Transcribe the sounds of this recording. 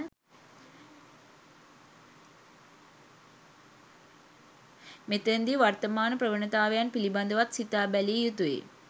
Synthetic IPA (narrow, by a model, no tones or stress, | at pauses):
met̪ɾend̪iʋɐrt̪ɐmaːnɐpɾɐʋɐɳɐt̪aːʋɐjaːnpilibɐnd̪ɐʋɐt̪sit̪ːaːbɐlejut̪uḛː